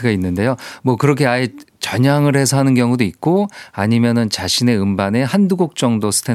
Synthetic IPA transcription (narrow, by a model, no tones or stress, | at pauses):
ɯɡainːɯnde̞jomwʌkɯɾʌkʰe̞aet͡ɕʌɲaŋɯɾhe̞sʰʌɦanɯnkjʌŋudoik̚k͈oaɲimjʌnɯnt͡ɕaɕʰine̞ɯmbane̞handuɡok̚t͡ɕ͈ʌŋdosʰɯ̥tʰe